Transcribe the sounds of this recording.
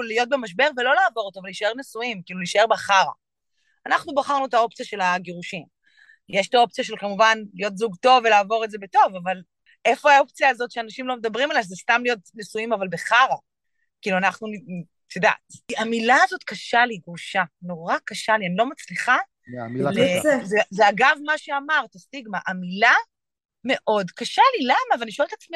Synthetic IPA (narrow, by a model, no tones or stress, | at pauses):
lijo̞t̪̚bemaʃbe̞ʁvelo̞laːvo̞ʁot̪oavaliʃae̞ʁnesuimkiːluliːʃae̞ʁbaχaʁa̰ | anaχnubaχaʁnuetao̞pt͡sijaʃe̞laɡeʁuʃim | jeʃi̥t̪ao̞p̚t͡sijaʃe̞lkamuvanlijo̞t̬zuɡto̞velaːvo̞ʁeze̞be̞to̞vaval | ʔe̞fo̞ao̞p̚t͡sijaːzo̞tʃeanaʃimlo̞medabʁimalaʃezestamlijo̞tnesuimavalbeχaʁa | kiːluanaχnun | t̪ʰoda̰tamilaːzo̞tkaʃaliɡʁuʃano̞ʁakaʃalianilo̞mat͡sliχa | lezezeaɡavmaʃeamaʁt̪asiɡmaʔamila | me̞ʔo̞dkaʃalilamaveaniʃoeltat͡smi